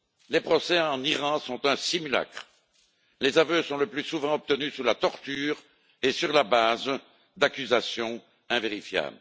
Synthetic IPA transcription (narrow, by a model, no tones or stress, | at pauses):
lepχɔsɛɑ̃niʁɑ̃sɔ̃t̪ɛ̃simyla̰kχ | lezavøsɔ̃ləplysuvɑ̃ɔp̚t̪ənysulat̪ɔʁt̪yːʁ | esyʁlabaːz | d̪akʲyzasjɔ̃ | ɛ̃veʁifja̰ːblə